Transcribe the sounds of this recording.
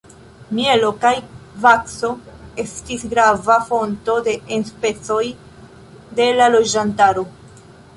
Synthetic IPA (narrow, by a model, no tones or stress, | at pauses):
mie̞lo̞kajvakso̞e̞stisɡɾavafo̞nto̞de̞enspe̞t͡so̞j | de̞lalo̞d͡ʒantaɾo̞